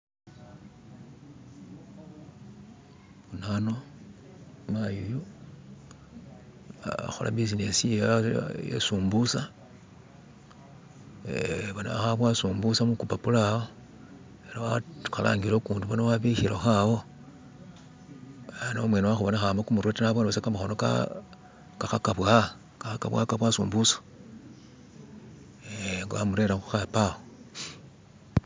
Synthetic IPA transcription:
βunano | majiju | a̰xo̞̰la̰bis̬ine̞sijajḛsuːmbusa | eβona̰axaβwasuːmbusamukupapulao | eɾawaxala̰ːŋɡiɾokuːnduβonawaβiçiɾoxawo̞ | anomwe̞newaxuβo̞naxambakumuɾwotinaβoneβasekamuxo̞noka̰ | kaxakaβwa | kaxaka̰βwa̰kaβwasṵːmbusḁ | eŋɡowamuɾe̞ɾaxu̥xapao

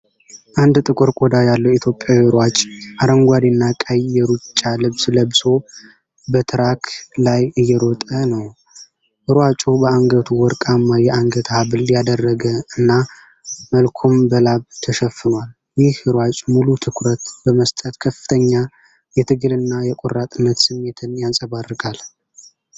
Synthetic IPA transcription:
ʔand̪t̪ʼɨkʼɨɾkʼod̪ajalːəwit̪ʰjo̞pʼːjawiɨɾwat͡ʃʼʔaɾəŋɡʷad̪inːakʼəjɛɾut͡ʃʼːalɨβsləβso̞ | bət̪ʰɨɾakʰlajɨjːɛɾɔt̪ʼənəw | hɨɾwat͡ʃʼobəaŋɡət̪ʰuwɔɾkʼamːajɛʔaŋɡət̪ʰhaβɨljad̪ərːəɡəɨnːa | məlkʰo̞mbəlaβt̪ʰəʃɛfɨnwal | jɪhɨɾwat͡ʃʼmulut̪ʰɨkʰɾət̪bəməst̪ʼət̪kʰəfɨ̥t̪ʰəɲːa | jɛt̪ʰɨɡɨlɨnːajɛkʼorːat̪ʼɨnːət̪sɨmːe̞t̪ʰɨnjansʼəβarːɨɡʼal

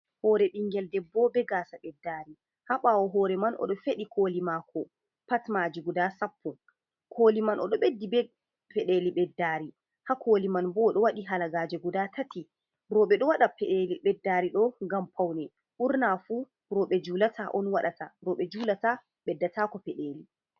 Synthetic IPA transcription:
hɔːɾɛɗiŋɡɛldɛbɔbɛɡasaɓɛdːaːɾi | haɓawɔɦɔːɾɛmanʔɔ̰ɗɔfeɗikʰoːlimakʰɔ | patmad͡ʒiɡudasapʰːɔ | kʰoːlimanʔɔ̰ɗɔɓedːibɛ | pɛɗeliɓɛdːaːɾi | hakʰoːlimanbɔɗɔwaɗiɦalaɡaːd͡ʒɛɡudatʰati | ɾɔɓɛɗɔwaɗapɛɗeliɓɛdːaɾiɗɔŋɡampʰawnɛ | ʔuɾnafu | ɾɔɓɛd͡ʒulatʰaʔɔnwaɗataɾɔɓɛd͡ʒulata | ɓɛdːatakɔfɛɗeli

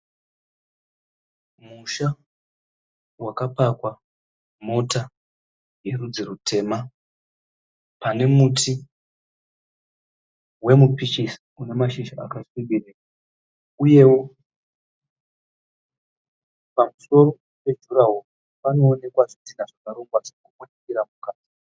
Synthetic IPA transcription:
muʃa | wakapakwa | mo̞ta | je̞rud͡zirutʰe̞ːma | pane̞mutʰi | we̞mupit͡ʃisi̥ | une̞maʃiʃaa̰kasibiri | uje̞wo | pamuso̞ɾo̞ | pe̞ʒuɾaɦo | pano̞ːne̞kwaʐotinaʐakaɾoŋɡwaʐirekukotikiɾamukaːti

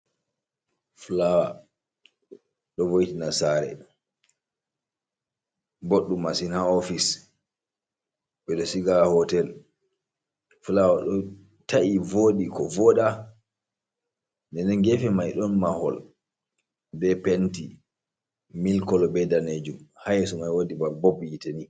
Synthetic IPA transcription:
flawa | ɗɔvojtinasaɾɛ̰ | boɗːumasinhaofis | bɛɗɔsiɡahɔtɛl | fulawaɗɔ | taʔivoːɗikɔvɔɗa | ndɛnɛnɡɛfɛmajɗɔnmahɔ̰l | bɛpenti | milkɔlbɛdaned͡ʒumhajɛsɔmajwodibabobjiteni

